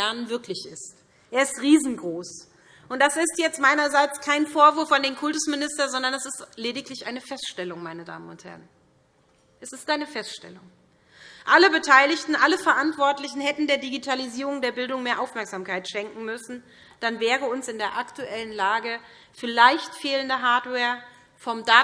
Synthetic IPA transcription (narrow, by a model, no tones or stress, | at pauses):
ɛɐnənvɪɐklɪçɪst | ʔeːɐɪstʁiːzn̩ɡʁoːs | ʔʊntd̥asɪstjɛt͡stmaɪnɐzaɪt͡skʰaɪnfoːɐvʊɐfandeːmkʰʊltʊsmɪnɪstɐzɔndɐnɛsɪstleːdɪklɪçʔaɪnəfɛstʃtɛlʊŋmaɪnəda̰ːmənʊ̰nthɛ̰ʁən | ʔɛsɪstʔaɪnəfɛstʃtɛ̰lʊŋ | ʔaləbətʰaɪlɪçtn̩ʔaləfɛɐʔantv̥ɔɐtlɪçn̩hɛtn̩deːɐdiɡitʰaliziːʁʊŋdeːɐbɪldʊŋmeːɐʔaʊfmɛɐkz̥aːmkʰaɪtʃɛŋkŋ̩mʏsn̩ | d̥anvɛːʁəʊnsɪndeːɐʔaktuʔɛlənlaːɡə | fɪlaɪçtfeːləndəɦaɐtwɛːɐ | fɔmdaː